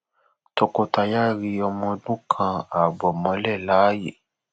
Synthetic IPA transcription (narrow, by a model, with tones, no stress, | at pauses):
to˧ko˧ta˧ja˦ɾi˧ɔ˧mɔ̃˧dũ˦kʰã˧a˨bɔ˨mɔ̃˨˧lɛ˦˨la˨˦jḛ˦˨